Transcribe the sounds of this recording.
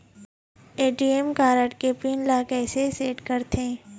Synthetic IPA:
eːʈiːemkaːɾəʈkepiːnlaːkɛːseseːʈkɐɾt̪ʰẽː

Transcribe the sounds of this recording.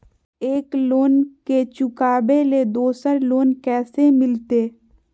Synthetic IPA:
eːkloːnket͡ʃʊkaːbeled̪oːsəɾloːnkɛːsemɪlt̪eː

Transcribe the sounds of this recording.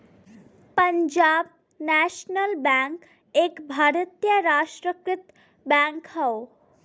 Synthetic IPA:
pəɲd͡ʒaːb̚ | næʃnəlbɛŋk | eːkbʱaːɾət̪jəɾaːʃʈɾəkɾɪt̪ | bɛːŋkhɐo

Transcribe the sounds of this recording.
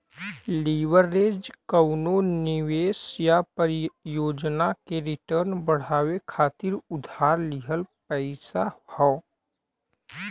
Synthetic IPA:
liːʋəɾːeːd͡ʒkəʊnonɪweːsjapəɾjoːd͡ʒnakeɾɪʈəɾnbəɽ̤aːwekʰaːt̪ɪɾʊd̪ʱaːɾlɪɦəlpɛɪsahɔː

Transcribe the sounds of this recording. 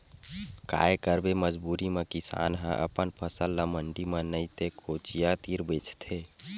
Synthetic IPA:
ka̰ːekəɾbeməd͡ʒbuɾimekisa̰ːnɦə̰̃ʔə̰pənpʰəsəlːəməɳɖimənəit̪ekʰot͡ʃijat̪iɾbet͡ʃt̪ʰe

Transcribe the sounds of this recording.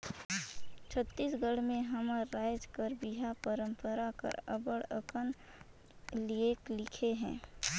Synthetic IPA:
t͡ʃʰət̪ːiːsɡəɽmẽɦəməːaːjd͡ʒkəɾbiɦapəɾə̃mpəɾakə̰ɾə̰bəɽəkən | lieklɪkʰeɦɛ̰̃ː

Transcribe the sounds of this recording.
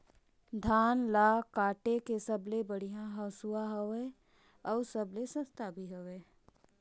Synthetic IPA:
d̪ʱaːnlaːkaːʈekesəblebəɽ̤ijãɦəsuaɦoʋe | ɔːɾsəblesə̃st̪ʰabʱiɦoʋeː

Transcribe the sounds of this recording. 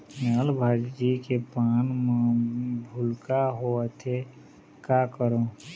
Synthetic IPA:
nəlbʱad͡ʒd͡ʒikepaːnm | bʱʊlkaɦoət̪ʰe | kakəɾo

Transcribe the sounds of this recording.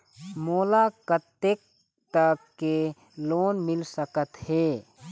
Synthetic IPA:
moːlakət̪ːek̚ | t̪əkːe | loːnmɪlsəkət̪heː

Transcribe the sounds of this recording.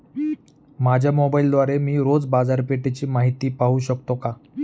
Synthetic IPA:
mad͡ʑʱjamobaild̪ʋaɾemiːɾod͡zbad͡zaɾpeʈet͡ɕiːmaɦit̪iːpaɦuːɕəkt̪oka

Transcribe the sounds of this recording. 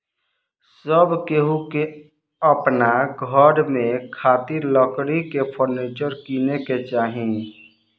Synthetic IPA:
səbkeɦuke | əpnaɡʱəɾmẽkʰaːt̪iɾləkɽikepʰoɾneːt͡ʃəɾkiːneket͡ʃaːɦĩ

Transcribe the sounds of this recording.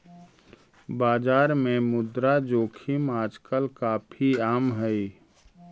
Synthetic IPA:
baːd͡ʒaːɾmẽmʊd̪ɾad͡ʒoːkʰimaːd͡ʒkəlkaːpʰiaːmɦɛi

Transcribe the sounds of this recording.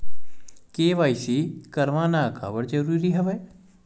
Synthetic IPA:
keːʋaːisikɐɾʋaːnaka̰ːbəɽd͡ʒɐɾuːɾiɦɛʋeː

